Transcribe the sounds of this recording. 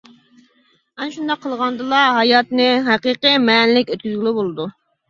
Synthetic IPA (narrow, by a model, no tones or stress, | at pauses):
mɛnʃund̪ɑqʰːəlˠʁɑnd̪ɨlˠɑɦɑjɑt̪nɨɦæqiqəmɛnlɪkʲøt̪̚kʲyzɡʲilɪbolˠɨd̪u